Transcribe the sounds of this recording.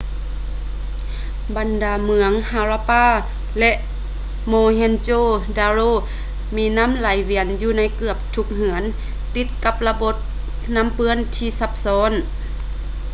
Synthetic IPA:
ba˨ndaː˨˩mɯ˨˧˦əŋhaː˧ɾaː˧paː˧˥˨ | lɛ˧ʔ | moː˧ɦe˧˥nt͡ɕoː˧˥˨daː˧ɾoː˧˥˨ | miː˧˥na˧˥˨mla˨˦jwi˧˩ənjuː˧˩na˧˥˩jkɯ˧˩əp̚t̪ʰu˧˥k̚ɦɯ˩˦ən | t̪i˧˦t̪̚ka˧˥p̚la˧bo˧˦˥t̪̚ | na˧˥˨mpɯ˧˥ənt̪ʰiː˧˩sa˧˥p̚sɔː˨˧˥n

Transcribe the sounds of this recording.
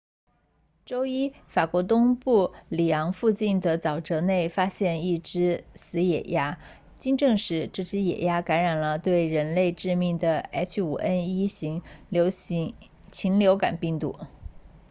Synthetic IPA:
ʈ͡ʂo˥ʊi˥fa˨˩kwɔ˧˥t̪̬ʊ˥ŋpu˥˩li˨˩jɑ˧˥ŋfu˥˧t͡ɕi˥˩nd̪ə˩t͡sɑ˨˩ʊʈ͡ʂɤ˧˥ne˥˩ɪfa˥ɕjɛ˥˧ni˥˩ʈ͡ʂɻ̩˥sɹ̩˧˥jɛ̰˨˩ja˥ | t͡ɕi˥˧ŋʈ͡ʂɤ˥˧ŋʂɻ̩˧˥ʈ͡ʂ̩˥˩ʈ͡ʂɻ̩˥jɛ̰˨˩ja˥ka˧˥nɻa˨˩nlə˦t̪we˥˩ɪɻə˧˥nle˥˧ɪʈ͡ʂɻ̩˥˧mi˥˩ŋd̪ə˩ɛ˥t͡ɕʰṵ˨˩ʔə˥ni˥ɕi˧˥ŋlo˧˥ʊ | t͡ɕʰi˧˥ŋljo˧˥ʊka̰˨˩npi˥˧ŋt̪ṵ˥˩

